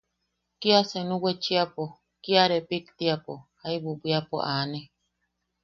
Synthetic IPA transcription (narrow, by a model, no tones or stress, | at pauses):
kiasenũwet͡ʃiapo | kiaɾepikt̪iapohaibubiapo̰ʔanẽ